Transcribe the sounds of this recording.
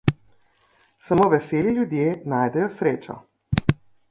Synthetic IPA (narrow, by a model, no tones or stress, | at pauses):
samoːʋɛseːliljud̪jeːnaːjd̪ɛjɔsɾeːt͡ʃɔ̰